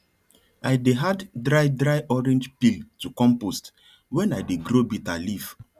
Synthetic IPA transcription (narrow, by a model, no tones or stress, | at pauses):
ajdeɦaddɹaɪdɾajʔɔɾɛ̃nd͡ʒpiltukɔ̃mpost | wɛ̃najdeɡɾobitaliv